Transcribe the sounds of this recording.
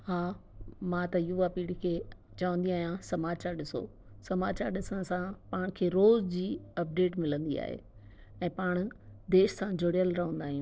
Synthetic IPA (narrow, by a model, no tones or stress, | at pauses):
haːmãt̪ɐjuapiːɽikʰeː | t͡ɕɐʋə̃nd̪iaːɦijãsɐmaːt͡ɕaɾɗɪso̰ | sɐmaːt͡ɕaːɾɗɪsəɽ̃̆sãpaːɽ̃kʰeːɾoːzd͡ʑiːɐp̚ɖeːʈmɪlə̃nd̪ia̰ːɦḛː | ɛ̃ːpaːɽ̃ʊd̪eːʃsãd͡ʑʱoɽjəlɾɐɦə̃nd̪aːɦijũ